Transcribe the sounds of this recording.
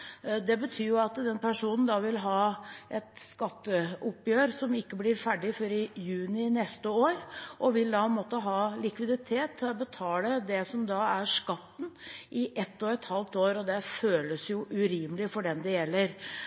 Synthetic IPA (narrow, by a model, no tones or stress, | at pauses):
d̪ɛbət̪ʰyːɾjʊɑt̪d̪ɛnpʰæʂuːnən̩d̪ɑʋɪlɦɑːʔɛt̪skɑt̪ːəʊpjøːɾsɔmɪkːəblɪɾfæɖɪfɔɾɪjʉːnɪnɛst̪əoːɾʔɔʋɪld̪ɑɛnmoːt̪əɦɑːlɪkʋɪd̪ɪt̪ʰeːt̪ʰːbət̪ʰɑːləd̪ɛsɔmd̪ɑːæʂkɑt̪ːn̩ʔɪʔɛt̪ːɔɛt̪hɑlt̪oːɾɔd̪ɛføːləsjʊʔʉɾiːməlɪfɔɖɛmd̪ɛjɛlːəɾ